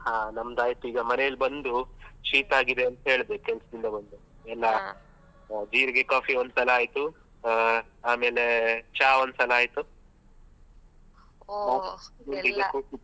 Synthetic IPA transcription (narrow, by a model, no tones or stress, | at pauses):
hãːnɐmɐd̪aːjt̪uiːɡɐmɐnejɐlbɐnd̪ut͡ʃiːt̪aːɡid̪e̞ɐnt̪ɐɦe̞ːɭd̪ekɛlɐsɐd̪ind̪ɐbɐnd̪u | ɛlːɐ | d͡ʒiːɾiɡe̞kaːpʰiond̪sɐlɐaːjt̪u | aːme̞ːlet͡ʃaːond̪sɐlɐaːjt̪u | aːisbenid̪ɐkuːʈi